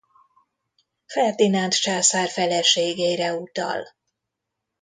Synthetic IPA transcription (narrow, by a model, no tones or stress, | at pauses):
fɛrd̪inant̪t͡ʃaːsaːrfɛlɛʃeːɡejɾɛut̪ɒ̰l